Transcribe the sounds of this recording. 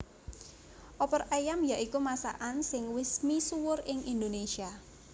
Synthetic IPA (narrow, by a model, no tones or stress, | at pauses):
ʔɔpɔrʔajamjaʔikumasa̰ʔansɪŋwɪsmisuwʊrɪŋind̪onesia